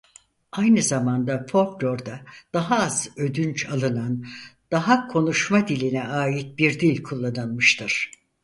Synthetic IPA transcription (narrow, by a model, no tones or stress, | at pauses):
ajnɯzamand̪afo̞lklʲo̞ɾd̪ad̪̥aɦaːz̥ø̞d̪ynt͡ʃʰalˠɯnand̪̥aɦakʰo̞nuʃmad̪ilʲinɛaːjit̪̚biɾd̪ilʲkʰulˠːanɯlˠmɯʃt̪ʰɯɾ̥